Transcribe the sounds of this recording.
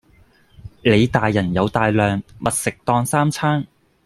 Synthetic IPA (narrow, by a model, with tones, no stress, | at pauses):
le˨˧jt̪aː˨jːɐ˨˩njɐ˨˧wt̪aː˨˧jlœː˨ŋmɐ˨t̚sɪ˨k̚t̪ɔː˧ŋsaː˥mt͡sʰaː˥ŋ